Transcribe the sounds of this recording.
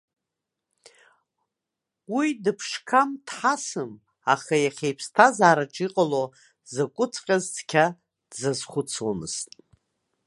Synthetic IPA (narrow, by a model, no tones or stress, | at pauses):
widɨpʰʂkʰamtʰħasɨm | aχajaχʲejpʰstʰazaːɾaʈ͡ʂʼiqʼalo | zakʷʼʊt͡sʰqʲʼazt͡sʰkʲʰa | d̥zazχʷʊt͡sʰwamɨ̰z̥tʼ